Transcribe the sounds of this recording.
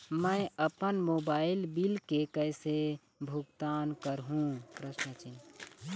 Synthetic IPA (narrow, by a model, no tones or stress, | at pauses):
məɪəpənmobailbilkekəɪse | bʱuɡt̪aːnkəɾɦũpɾəʃnət͡ʃin